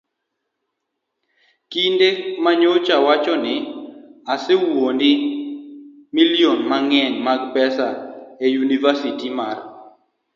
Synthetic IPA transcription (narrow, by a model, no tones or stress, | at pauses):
kindemaɲot͡ʃawat͡ʃɔnɪasewondɪ | milijonmaŋɛɲmaɡpɛsaejunivasitimar